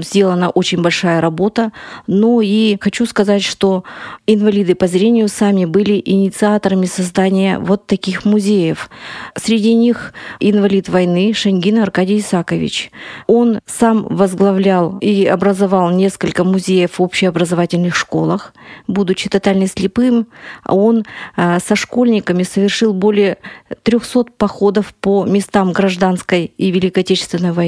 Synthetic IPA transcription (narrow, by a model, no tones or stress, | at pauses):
zʲdʲelˠənəʔo̞t͡ɕɪnʲbɐlʲʂajəɾɐbo̞t̪ənoixɐt͡ɕuskɐzatʲʂt̪o̞ɪnvɐlʲid̪ɨpɐzɾʲenʲɪjʊsamʲɪbɨlʲɪʔɪnʲɪt̪sɨat̪əɾəmʲɪsɐzd̪anʲɪjə̰vo̞t̪ːɐkʲixmʊzʲejəfsɾʲɪdʲinʲixɪnvɐlʲit̪vɐjnɨʂɨnʲɡʲinəɐrkadʲɪjɪsakəvʲɪ̰t͡ɕo̞nsamvəzɡlˠɐvlʲalˠiɐbɾəzɐvɑlˠnʲe̞skəlʲkəmʊzʲejəfopɕɪɐbɾəzɐvatʲɪlʲnɨxʂko̞lˠəxbud̪ʊt͡ɕːɪt̪ɐt̪alʲnəsʲlʲɪpɨm̰o̞nsɐʂko̞lʲnʲɪkəmʲɪsəvʲɪrʂɨlˠbo̞lʲɪjət̪ɾʲoxso̞t̪̚pɐxo̞d̪əfpomʲɪst̪amɡɾɐʐd̪anskəjivʲɪlʲɪkəɐtʲet͡ɕɪ̥st̪vʲɪnːəjvɐ